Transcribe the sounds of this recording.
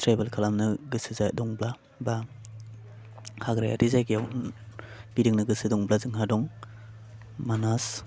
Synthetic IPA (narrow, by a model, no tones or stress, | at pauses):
tʰɾajbelkʰalamnɯɡɯsɯzajdɔŋbla | ba | haɡɾaja̰ɾizajɡijawn | b̥idiŋnɯɡɯsɯdɔŋblazɯŋɦadɔŋ | manas